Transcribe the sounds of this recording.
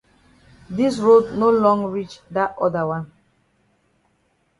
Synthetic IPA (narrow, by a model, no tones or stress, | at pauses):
disɹodnolɔ̃ŋɡɹit͡ʃdatɔdəwãn